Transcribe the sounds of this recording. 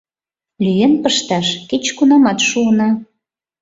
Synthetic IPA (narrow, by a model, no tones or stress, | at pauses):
lyjenpəʃt̪ɑʃket͡ɕkunɑmɑt̪ʃuənɑ